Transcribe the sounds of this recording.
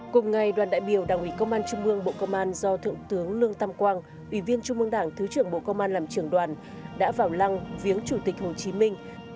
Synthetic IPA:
kʊ˨˩ŋ͡mŋa˨˩jɗwaː˨˩nɗa̰ː˧˨jɓi˧˩əwɗaː˨˩ŋʔḭ˧˩kə˧wŋ͡mʔaː˧nt͡ɕʊ˧ŋ͡mʔɨ˧əŋɓo̰˧˨kə˧wŋ͡mʔaː˧nzɔ˧t̪ʰɨ̰˧˨əŋt̪ɨ˨˦əŋlɨ˧əŋt̪a˧mkwaː˧ŋ | ʔwḭ˧˩vi˧ənt͡ɕʊ˧ŋ͡mʔɨ˧əŋɗaː˧˩ŋt̪ʰɨ˨˦t͡ɕɨ˧˩əŋɓo̰˧˨kə˧wŋ͡mʔaː˧nlaː˨˩mt͡ɕɨ˧˩əŋɗwaː˨˩n | ɗa̰ː˧˥vaː˧˩wla˧ŋvi˨˦ənt͡ɕu˧˩t̪i˨˩k̚ho˨˩t͡ɕi˨˦mï˧ŋ̟

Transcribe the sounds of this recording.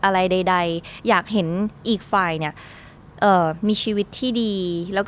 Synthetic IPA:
ʔa˧ɾa˧jda˧jda˧jjaː˨˩k̚ɦe˩˦nʔiː˨˩k̚faː˨˩jni˥˩ɐ | ʔɤː˨˩miː˧t͡ɕʰiː˧wi˦˥t̪ʰːiː˥˩diː˧lɛː˦˥wk

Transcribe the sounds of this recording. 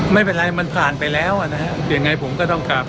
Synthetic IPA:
ma˥˩jpe˧nʔa˧jma˧npʰaː˨˩npa˧jlɛː˦˥wʔa˨˩na˦˥kʰa˦˥ʔja˧ŋːa˧jpʰo˩˦mkɔː˥˩t̪ɔ˥˩ŋkaː˧˩p

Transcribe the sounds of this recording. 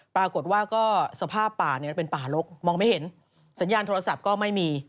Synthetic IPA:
pɾaː˧ko˨˩t̪̚waː˥˩kɔː˥˩sa˧pʰaː˥˩pːaː˨˩ni˥˩ɐ˩pe˧npaː˨˩lo˦˥k̚mɔː˧ŋma˥˩jhe˩˦n | sa˩˦njaː˧nt̪ʰoː˧a˧sa˨˩p̚kɔː˥˩ma˥˩jmiː˧

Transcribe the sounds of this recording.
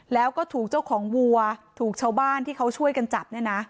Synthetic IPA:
lɛː˦˥wkɔː˥˩t̪ʰuː˨˩k̚t͡ɕa˥˩wkʰɔː˩˦ŋwu˧ɐt̪ʰuː˨˩k̚t͡ɕʰaː˥˩wbaː˥˩nt̪ʰiː˥˩kʰa˦˥wt͡ɕʰu˥˩əjka˧nt͡ɕa˨˩p̚nɯ˥˩na˦˥ʔ

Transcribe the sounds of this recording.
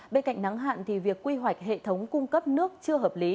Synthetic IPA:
ɓe˧nka̰˧˨jŋ̟na˨˦ŋɦa̰ː˧˨nt̪ʰi˨˩vi˨˩əkːwi˧ɦwa˨˩jk̟̚ɦḛ˧˨t̪ʰə˨˦wŋ͡mkʊ˧ŋ͡mkə˦˥p̚nɨ˦˥ək̚t͡ɕɨ˧əɦəː˨˩p̚li˨˦

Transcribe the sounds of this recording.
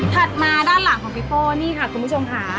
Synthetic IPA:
t̪ʰa˨˩t̪̚maː˧daː˥˩nla˨˩˦ŋkʰɔː˨˩˦pi˦˥poː˥˩niː˥˩kʰa˧˩kʰu˧npʰu˥˩o˧mkʰa˦˥

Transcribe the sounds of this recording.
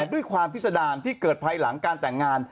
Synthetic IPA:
du˥˩əjkʰwaː˧mp̪̚ʰsa˧daː˧nt̪ʰiː˥˩kɤː˨˩t̪̚pʰa˧jla˩˦ŋkaː˧nt̪ɛ˨˩ŋːaː˧n

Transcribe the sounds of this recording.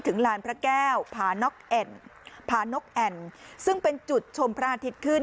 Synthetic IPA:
t̪ʰɯ˩˦ŋlaː˧npʰɾa˦˥kɛː˥˩wpʰaː˧nɔ˦˥k̚ʔɛ˨˩npʰaː˧no˦˥k̚ʔɛ˧˩nsɯ˥˩ŋpe˧nt͡ɕu˨˩t̪̚t͡ɕʰo˧mpʰɾa˦˥ʔa˧t̪ʰi˦t̪̚kʰɯ˥˩n

